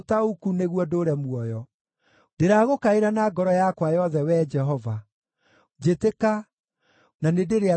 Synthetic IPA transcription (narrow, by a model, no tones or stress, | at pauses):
taukuneɣwɔdoːɾɛmwɔjɔ | d̥eɾaːɣokaeɾanaːɡɔɾɔjakwajɔðɛwɛd͡ʒɛɦɔva | d͡ʒeteka | nanedeɾea